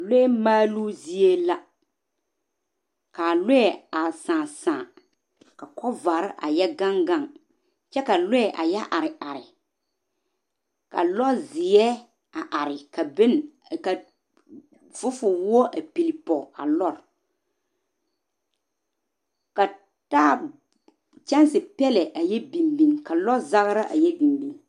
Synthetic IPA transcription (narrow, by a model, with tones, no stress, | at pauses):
le˦ɛ˦maː˦lu˦zi˦e˦la˦ | ka˨le˦ɛ˨a˨sãː˨sãː˨ | ka˨kɔ˦va˨ɾʔa̰˨jɛ˦ɡa˦ŋɡa˦˨ŋ | t͡ʃɛ˦ka˨lʊ˦ɛ˨ʔa̰˨jɛ˦ʔa˨ɾɪ˨ʔa˨ɾɪ˨ | ka̰˨lɔ˦zɪ˨ɛ˦ | a˨ʔa˨ɾɪ˨ka˨be˦nka˨ | vʊ˦fʊ˨wɔ˦ʔa˨pi˨li˨pɔ˨a̰˨lɔ˦ɾ | ka˨ | taː˦ | t͡ʃɛ˦n˦sɪ˨pɛ˦lɛ˨ʔa˨jɛ˦bi˨mbi˨ŋka˨lɔ˦za˦ɣɾa˦ʔa̰˨jɛ˦bi˨mbi˦ŋ